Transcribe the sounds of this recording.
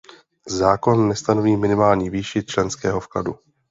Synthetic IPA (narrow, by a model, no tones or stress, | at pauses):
zaːko̞nːɛst̪anoviːmɪnɪmaːlɲiviːʃɪt̪t͡ʃlɛnskɛːɦo̞fkla̰du